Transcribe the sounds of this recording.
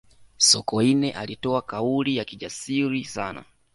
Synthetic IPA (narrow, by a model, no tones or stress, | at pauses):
sɔkɔinɛʔalitɔakaulijakiʄasiɾisana̰